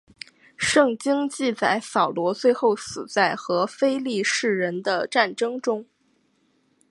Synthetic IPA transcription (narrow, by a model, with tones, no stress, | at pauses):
ʂɤ˥˩ŋt͡ɕi˥ŋt͡ɕi˥˧t͡sa˥˩ɪsɑ˨˩ʊlwɔ˧˥t͡swe˥˧ɪxo˥˩ʊsɹ̩˨˩t͡sa˥˩ɪxɤ˧˥fe˥ɪli˥˧ʂɻ̩˥˩ɻə˧˥nd̪ə˧ʈ͡ʂa˥˩nʈ͡ʂɤ˥ŋʈ͡ʂʊ˥ŋ